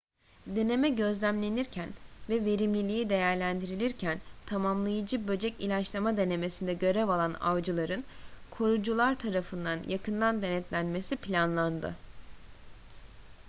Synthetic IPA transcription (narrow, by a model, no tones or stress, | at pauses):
d̪e̞ne̞mɛɟø̞zlʲæmlʲe̞niɾcʰænvɛve̞ɾimlʲilʲijid̪e̞jæɾlʲænd̪iɾilʲiɾcʰænt̪ʰamamlˠajɯd͡ʒɯbø̞d͡ʒɛcilʲat͡ʃlˠamad̪e̞ne̞me̞sind̪ɛɟø̞ɾɛvalˠana̰vd͡ʒɯlˠaɾɯnkʰo̞ɾud͡ʒulˠaɾt̪ʰaɾafɯnd̪anjakʰɯnd̪and̪e̞nɛt̪lʲænme̞sipʰlʲanlˠand̪ɯ̰